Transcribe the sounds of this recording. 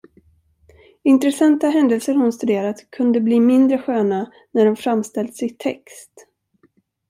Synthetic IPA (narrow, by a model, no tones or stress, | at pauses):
ɪnt̪ɾɛsant̪aɦɛnd̪ɛlsəɾhʊnst̪ɵd̪eːɾat̪kʰɵnd̪əbliːmɪnd̪ɾəɧøːna | næɖɔmfɾamst̪ɛlt̪sɪt̪ʰɛ̰kst̪